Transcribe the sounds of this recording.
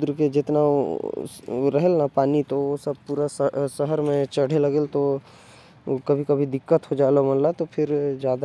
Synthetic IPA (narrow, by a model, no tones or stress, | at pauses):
d̪ɾked͡ʒɪt̪na | ɾəɦɛlnapaːnit̪oosəb̚puːɾasəɦəɾmẽt͡ʃəɽ̤eləɡelt̪o | kəbʱikɐbʱid̪ɪkːət̪ɦod͡ʒaːlomənlat̪opʰɪɾd͡ʒjaːd̪a